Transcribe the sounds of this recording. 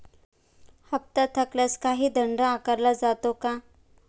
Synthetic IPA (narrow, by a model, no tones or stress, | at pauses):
həp̚t̪at̪ʰəkljaskaɦiːd̪əɳɖəakəɾlad͡zat̪oka